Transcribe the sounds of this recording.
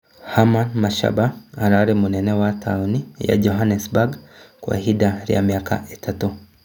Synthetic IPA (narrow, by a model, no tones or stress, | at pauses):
hamanmaʃa̰baːɾaɾimunenewatʰaonija̰ɟoɦanesbaɡkwa̰hɦidaɾja̰mjaːka̰ʔetʰatu